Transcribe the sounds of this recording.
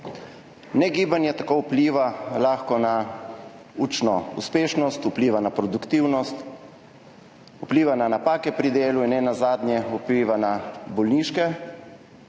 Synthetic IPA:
nɛɡiːbanjɛt̪akoːupliːʋalaːxkɔna | ut͡ʃnɔṵspeːʃnɔst̪upliːʋanapɾɔd̪ukt̪iwnɔst̪ | upliːʋananapaːkɛpɾid̪eːluinɛnazaːd̪njɛupliːʋanabɔlniːʃkɛ

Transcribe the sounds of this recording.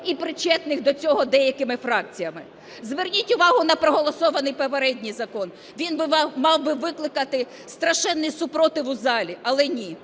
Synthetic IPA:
ipɾɪt͡ʃɛt̪nɪxd̪ɔt͡sʲɔɦɔd̪ɛjɐkɪmɪfɾɑk̚t͡sʲijɐmɪ | zʋernʲitʲʊʋɑɦʊnɐpɾɔɦɔlˠɔsɔʋɐnɪjpɔpeɾɛdʲnʲijzɐkɔn | ʋʲinbɪmɑwbɪʋɪklˠɪkɐt̪ɪ | st̪ɾɐʃɛnːisʊpɾɔt̪ɪʋʊzɑlʲiɐlˠɛnʲi

